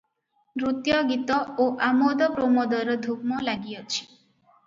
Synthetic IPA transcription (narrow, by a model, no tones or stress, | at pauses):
ɾut̪jɔɡit̪ɔoʔamod̪ɔpɾomɔd̪ɔɾɔd̪ʱuk̚mɔlaɡijɔt͡ʃʰi̥